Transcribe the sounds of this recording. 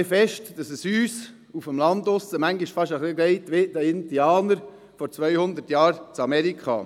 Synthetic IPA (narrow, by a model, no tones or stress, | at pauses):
fɛʃtd̥ɑsəsyːs | ufəmlɑnd̪ʊsəmæŋɡiʃfɑʃəχliɡlɛɪtʋɪtdəɪndiɑːnəɾ | fɔɾt͡sʋœʏhʊnd̪ətjɑːɾt͡sɑmɛɾikʰχɑ̰